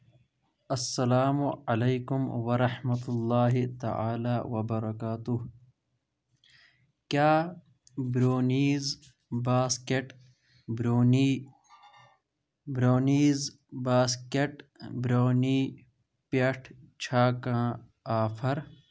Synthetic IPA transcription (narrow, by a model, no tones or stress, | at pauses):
ɐsːɐlaːmɐleːkumwɐɾɐħmɐt̪ulːaːɦit̪ɐ̰ʕaːlaːwɐbɐɾɐkaːt̪uɦ | kjaː | bɾoːniːz | baːskeʈ | bɾoːniː | bɾoːniːz | baːskeʈbɾoːniː | pɐʈʰt͡ʃʰaːkãː | aːfʰɐɾ